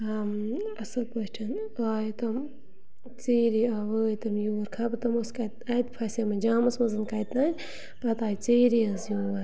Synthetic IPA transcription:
amɐsɐlpɐʃʈʰɐn | aːjt̪ɐm | t͡siːɾiaʋəːjt̪ɐmjuːɾkʰapɐt̪ɐmoskɐt̪̚ɐt̪pʰɐsɐmɐd͡ʒaːmɐsmɐzɨnkajt̪aːnʲ | pɐt̪aːjt͡siːɾiɐzjuːɐ

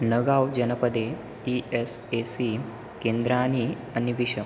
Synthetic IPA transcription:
nəɡawd͡ʑənəpəd̪e | iesesi | kẽnd̪ɾani | aniʋiɕə

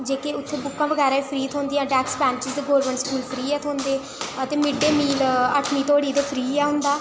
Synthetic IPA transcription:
d͡ʒeːkeːʊt̪ʰːeːbʊkːãːʋəɡɛːɾaːiːpʰɾiːt̪ʰõːnd̪iːãːɖɛːksbɛ̃ːɲt͡ʃɪzd̪eːɡoːɾʋəɳskuːlpʰɾiːɛːt̪ʰoːnd̪eː | ət̪eːmɪɖeːmiːləʈʰmiːt̪oːɽiːd̪eːpʰɾiːɛːɦʊ̃nd̪aː

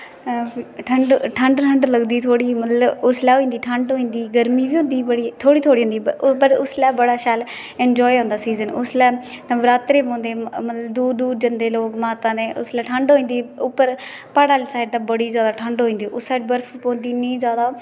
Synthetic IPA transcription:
ʈʰəɳɖʈʰəɳɖʈʰəɳɖləɡd̪iːt̪ʰoːɽiːmət̪ləbʊslɛːɦoːĩːnd̪iːʈʰəɳɖɦoːĩːnd̪iːɡəɾmiːbiːõnd̪iːbəɽiːt̪ʰoːɽiːt̪ʰoːɽiɦõnd̪iːpəɾʊslɛːbəɽaːʃaːl | ɛnd͡ʒɔːiɦõːnd̪aːsiːzənʊslɛː | nəʋɾaːt̪ɾeːp̬õːnd̪eːmət̪ləbd̪uːɾd̪uːɾd͡ʒənd̪eːloːkmaːt̪ãːd̪ẽːʔʊslɛːʈʰəɳɖɦoːĩːnd̪iːʊpːəɾ | paːɽaːlsaːɪɖd̪aːbəɽiːzjaːd̪aːʈʰəɳɖɦoːĩːnd̪iːʔʊssaːɪɖ̚bəɾfʰpõːnd̪iːnĩĩːzjaːd̪aː

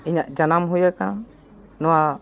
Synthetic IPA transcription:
iɲaʔd͡ʒanamɦujakã | nɔwa

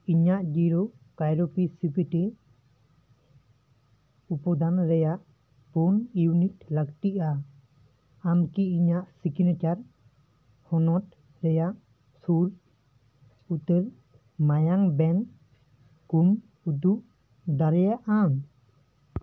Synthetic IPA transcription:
iɲaʔd͡ʒiɾɔ | kajɾɔpisipiʈɛ | upɔd̪anɾɛjaʔ | punjunitləkʈiʔa | amkiiɲaʔsikinat͡ʃaɾ | hɔnɔt̚ | ɾɛjaʔ | suɾ | ut̪əɾ | majaŋbɛn | kum | ud̪uʔ | d̪aɾɛjaʔan

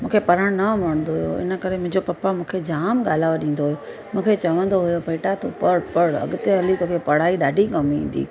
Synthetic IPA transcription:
mũːkʰepɐɾəɽ̃nɐmɐɾ̃nd̪oɦujjo̰ɪ̰nə̆kɐɾemʊ̃ɦɪ̃ɲd͡ʑopɐpamũːkʰed͡ʑaːmɠaːl̤aːʋaɗĩːn̆d̪oɦujo | mũːkʰet͡ɕɐʋə̃nd̪oɦujopɐɪʈat̪ʰopəɽpɐɽɐ̰ɠʊt̪eɐlit̪oːkʰepɐɽ̤aːiɗaːɖʱikɐmḭ̃ːn̆d̪ḭː

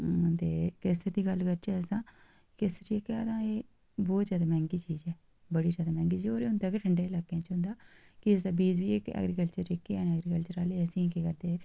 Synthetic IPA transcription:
t̪eːkɪsəd̪iːɡəlkəɾt͡ʃɛəsãː | kɪsɾiːekad̪ãːeː | bɔːt̪zjaːd̪aːmɛ̃ːŋɡiːt͡ʃiːzɛː | bəɽiːzaːd̪aːmɛ̃ːŋɡiːt͡ʃioːɾeʊnt̪aːkeʈʰəɳɖeːɪlaːkːeãːt͡ʃɦʊ̃nd̪aː | kɪəsãːbiːd͡ʒbiːekɛ̰ːɡɾiːkəlt͡ʃəɾɪkːeɛːnɛːɡɾiːkəlt͡ʃəɾaːleːəsĩːkeːkəɾd̪eː

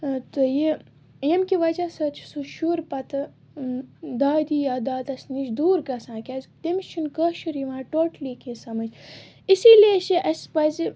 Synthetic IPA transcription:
t̪ɨji | jemkiʋɐzasɐt͡ʃʰsuʃuɾpɐt̪ɨ | d̪aːd̪iːjaːd̪aːd̪ɐsniʃd̪uːɾɡɐsãːkʲɐzt̪emt͡ʃʰunkɐʃuɾiʋãːʈoːʈlikisɐmɐd͡ʒ | isiːleʃiʔɐsʲpɐzi

